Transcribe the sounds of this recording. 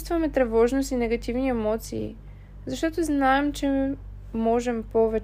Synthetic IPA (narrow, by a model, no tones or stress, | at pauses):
st̪vɐmɛt̪ɾɛvɔʒnost̪inɛɡɐt̪ʲivniɛmɔt̪sḭː | zɐʃt̪ɔt̪oznaɛmt͡ʃɛ | mɔʒɛmpɔvɛ